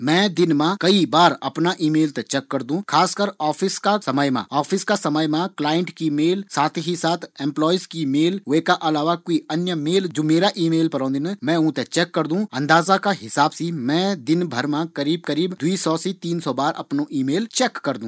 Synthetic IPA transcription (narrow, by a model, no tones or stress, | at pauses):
mɛ̃ːd̪ɪnmãkɐibaːɾɐpnaʔiːmeːlt̪et͡ʃɛːkːəɾd̪ũːkʰaːskəɾɔːpʰɪskasɐməjmã̰ɔːpʰɪskasɐməjmãklaːjɪ̃ɳʈkimeːlsaːt̪ʰɦisaːt̪ʰɛ̃ːmplɔːizkimeːlweːkaʔɐlaːʋakoːiɐnjəmeːld͡ʒoːmeːɾaʔiːmeːlpɐɾɔ̃ːd̪inəmɛ̃ːũt̪et͡ʃɛːkːəɾd̪ũɐ̃nd̪aːzakaɦɪsaːbsimɛ̃ːd̪ɪnbʱəɾmãkɐɾiːb̚kəɾiːbd̪uisɔːsit̪iːnsɔbaːɾʔɐpnoʔiːmeːlt͡ʃɛːkːɐɾd̪ũː